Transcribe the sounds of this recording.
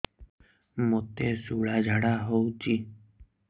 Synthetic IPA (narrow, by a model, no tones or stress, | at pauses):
mõt̪esuɭad͡ʒʱaɽaɦowt͡ʃi